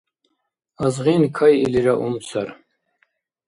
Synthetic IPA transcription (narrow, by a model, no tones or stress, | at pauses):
azʁinkʰajiliɾaʔṵmsʰaɾ